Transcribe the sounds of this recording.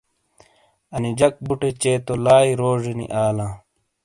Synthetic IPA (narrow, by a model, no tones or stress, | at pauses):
ɐnid͡ʑɐk̚buʈet͡ɕeːt̪olaːiɾoːʐinḭʔaːlãː